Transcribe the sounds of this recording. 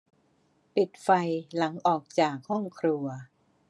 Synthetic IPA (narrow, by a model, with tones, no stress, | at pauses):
pi˨˩t̪̚fa˧jla˩˦ŋʔɔː˨˩k̚t͡ɕaː˨˩k̚hɔ˥˩ŋkʰɾu˧ɐ